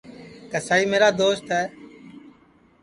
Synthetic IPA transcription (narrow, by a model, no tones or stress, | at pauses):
kəsaːiːmeːɾaːd̪oːst̪ɦɛː